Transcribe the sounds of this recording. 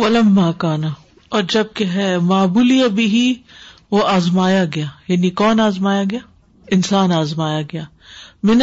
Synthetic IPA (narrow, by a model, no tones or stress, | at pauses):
wɐlɐmːaːkaːna | ɔːɾd͡ʒɐb̚keɦɛmaːbuːlijabɪɦiʋoaːzmaːjaɡɐjaːjaːnikɔːnaːzmaːjaɡɐjaː | ɪnsaːnaːzmaːjaɡɐjaː | mɪn